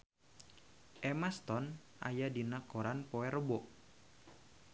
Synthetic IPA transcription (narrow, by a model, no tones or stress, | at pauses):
ʔɛmast̪ɔnʔa̰jadinakoɾanpoɛɾəbɔʔ